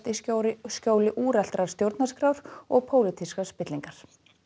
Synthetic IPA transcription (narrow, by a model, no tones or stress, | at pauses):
t̪iɾscowlɪʔuːɾɛl̥t̪ɾaɾ̥st̪jowɾt̪naskɾawɾ̥ɔɣpʰoːwlɪt̪ʰiskaspɪt̪liŋkaɾ̥